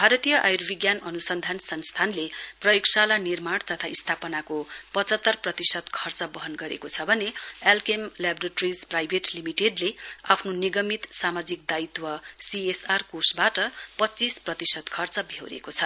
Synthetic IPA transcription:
bʱaɾʌt̪ijʌʔajrbʱiɡjanʌnusʌnd̪ʱansʌŋst̪ʰanleprʌjoksalanirmaɽt̪ʌt̪ʰaist̪ʰapʌnakopʌt͡sʌt̪ːʌrprʌt̪isʌd̪kʰʌrt͡sʌbʌɦʌnɡʌɾḛkot͡sʰʌbʱʌneelkemlabreʈʌrid͡zprajbʱeʈlimiʈeɖlea̰pʰnoniɡʌmit̪samad͡zik̚d̪ait̪wʌsiesarkosbaʈʌpʌtːt͡sisprʌt̪isʌd̪kʰʌrt͡sʌbʱewɾḛkot͡sʰʌ

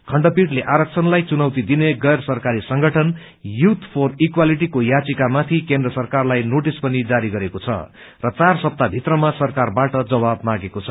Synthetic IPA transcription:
kʰʌɳɖʌpiʈleʔaɾʌk̚t͡sʰʌnlajt͡sunʌwt̪id̪ineɡʌjrsʌrkaɾisʌŋɡʌʈʰʌn | jut̪ʰpʰorikwaliʈ̬ikojat͡sikamat̪ʰikend̪rʌsʌrkarlajnoʈispʌnid͡zaɾiɡʌɾekot͡sʰʌ̰ | rʌt͡sarsʌp̚t̪abʱit̪rʌmasʌrkarbaʈʌd͡zʌbabmaɡekot͡sʰʌ

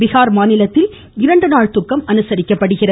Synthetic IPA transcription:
bɪɣaːɾmaːnɪlɐt̪ːɪl | ɪɾɐɳɖɯnaːɭt̪ʊkːɐmɐnɯsɐɾɪkːɐpːɐɽɯɣɪrɐ

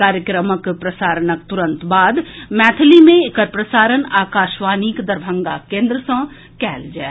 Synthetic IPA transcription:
kaːɾjəkɾəməkpɾɐsaːɾənəkt̪ʊɾə̃nt̪baːd̪mɛːt̪ʰlimẽɪkəɾpɾəsaːɾənaːkaːʃʋaːniːkd̪ɐɾbʱə̃ŋɡakẽːnd̪ɾəsə̃ | kɛːld͡ʒa̰ː

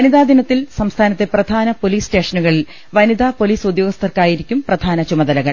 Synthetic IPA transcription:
ɐniðaːd̪inɐt̪ːilsɐmst̪ʰaːnɐt̪ːe̞prɐd̪ʱaːnɐpo̞liːste̞ːʂɐnuɣɐɭil | ʋɐniðaːpo̞liːsud̪joːɡɐst̪ɐrkaːjiɾikʲːumprɐd̪ʱaːnɐt͡ɕumɐðɐlɐɣɐɭ

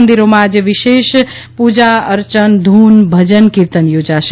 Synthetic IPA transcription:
nd̪iɾomad͡ʒeʋiʃes | pud͡ʒaəɾt͡ʃənd̪ʱuːnbʱəd͡ʒənkiɾt̪ənjod͡ʒas

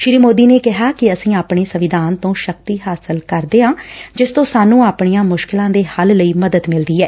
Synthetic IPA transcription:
ʃɪɾiːmoːd̪iːneːkɪɦaːkɪəsĩːaːpɳeːsəʋɪd̪ʱaːnt̪õːʃək̚t̪iːɦaːsəlkəɾd̪eːɦãːd͡ʒɪst̪õːsaːnːũːaːpɳijãːmʊʃkɪlãːd̪eːhəlləiːməd̪əd̪mɪld̪iːɦɛː

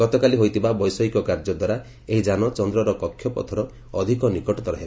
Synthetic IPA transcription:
ɡɔt̪ɔkaliɦojt̪ʰibabɔjsɔɦikɔkaɾd͡ʒɔd̪waɾa | eɦid͡ʒanɔt͡ʃɔnd̪ɾɔɾɔkɔkʰːjɔpɔ̰t̪ʰɔɾɔ | ɔd̪ʱikɔnikɔʈɔt̪ɔɾɔɦel

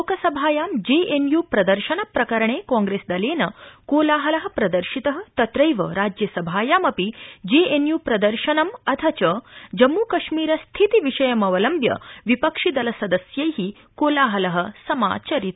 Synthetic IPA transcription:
okɐsɐbʱaːjaːmd͡ʑeʔenjupɾɐd̪əɾʃɐnɐpɾɐkɐɾɐɳ̃eːkɔ̃ŋɡɾesd̪ɐleːnɐkoːlaːɦɐlɐɦɐ̆pɾɐd̪əɾʃit̪ɐɦət̪ɐt̪ɾɐjʋɐɾaːd͡ʑjɐsɐbʱaːjaːmɐpid͡ʑeenjuːpɾɐd̪əɾʃɐnɐmɐt̪ʰɐt͡ɕəd͡ʑɐmːuːkɐʃmiːɾɐst̪ʰit̪iʋiʂɐjɐmɐʋɐlɐmbjɐ̰ʋipəkʂid̪ɐlɐsɐd̪əsjɐjɦi | kolaːɦɐlɐɦə̆sɐma̰ːt͡ɕɐɾit̪̚

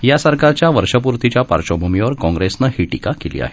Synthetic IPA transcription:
jasəɾkaɾt͡ɕjaʋəɾʂəp̬uɾt̪it͡ɕjapa̰ɾt͡ɕobʱumiʋəɾkɔ̃ŋɡɾesnəhiːʈikakelḭːa̰ɦe̥

